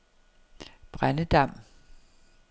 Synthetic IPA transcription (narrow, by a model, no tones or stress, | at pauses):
b̥ʁanəd̥ɑ̈m̰